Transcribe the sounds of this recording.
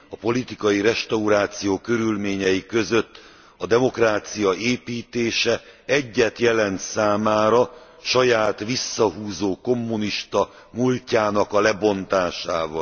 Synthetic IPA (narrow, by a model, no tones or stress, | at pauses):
ɒpo̞lit̪ikɒjiɾɛʃt̪ɒuɾaːt̪sijoːkø̞ɾylmeːɲɛjikøzøt̪ː | ɒd̪ɛmo̞kraːt̪sijɒʔeːpiːt̪eːʃɛɛɟːɛt̪jɛlɛnt̪saːmaːɾɒ | ʃɒjaːt̪ʋisːɒɦuːzoːko̞mːuniʃt̪ɒ | mulcaːnɒkɒlɛbo̞nt̪aːʃaːvɒl